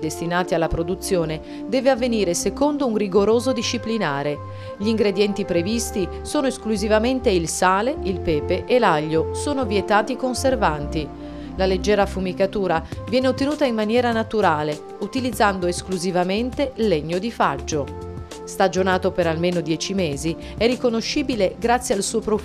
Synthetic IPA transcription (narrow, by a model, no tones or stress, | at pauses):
d̪est̪inaːt̪ialːapɾod̪ut̪sːjoːne | d̪ɛːveavːeniːɾesekond̪ounriɡoɾoːzod̪iʃːiplinaːɾe | ʎiŋɡɾed̪jɛnt̪ipɾevist̪i | soːnoeskluzivament̪eilsaːleilpɛːpeʔelaʎːosoːnovjet̪aːt̪ikonservant̪i | laled͡ʒːɛːɾafumikat̪uːɾavjɛːneot̪ːenuːt̪ainmanjɛːɾanat̪uɾaːle | ut̪ilid̪zːand̪oeskluzivament̪eleɲːod̪ifad͡ʒːo | st̪ad͡ʒonaːt̪opeɾalmeːnod̪jɛːt͡ʃimeːzi | ɛrːikonoʃːiːbileɡɾat̪sːjalsuːopɾo